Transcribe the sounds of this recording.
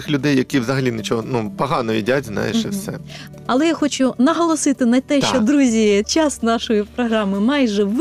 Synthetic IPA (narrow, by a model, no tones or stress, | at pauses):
ɪxlʲʊd̪ɛjːɐkʲiʋzɐɦɐlʲinɪt͡ʃɔɦɔnupɐɦɑnɔḭdʲatʲzna̰jɪ̰ʃɛ̰fsɛ̰ | ɐlˠɛjaxɔt͡ʃʊnɐɦɔlˠɔsɪt̪ɪnɐt̪ɛʃt͡ʃɔd̪ɾuzʲit͡ʃasnɑʃɔjipɾɔɦɾɑmɪmɑjʒɛʋ